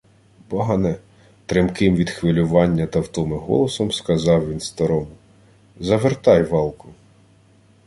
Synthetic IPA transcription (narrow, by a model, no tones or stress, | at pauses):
bɔɦɐnɛ | t̪ɾɪmkɪmʋʲid̪xʋɪlʲʊʋɑnʲːɐt̪ɐwt̪ɔmɪɦɔ̰lˠɔsɔmskɐzɑwʋʲinst̪ɐɾɔmʊ | zɐʋert̪ɑjʋɑlˠkʊ